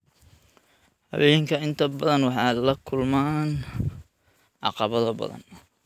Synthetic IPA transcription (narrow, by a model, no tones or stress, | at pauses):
hɑ̰wɛːjŋkʰɐɪnt̪ʰɐbɐðɐnwɑħɑːlɐkʰʊlmaːn | ʕɑ̰qɑβɐðɐbɐ̰ðɐ̰n